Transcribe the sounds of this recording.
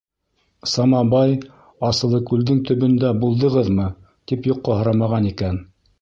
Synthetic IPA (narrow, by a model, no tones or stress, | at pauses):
sɑmɑbɑj | ɑsɤ̆lˠɤkʉld̪ɘŋt̪ɵ̆βɵ̆nd̪æbulˠd̪ɤ̆ʁɤðmɤ | t̪ipjoqːɑhŏɾɑmɑʁɑnikæn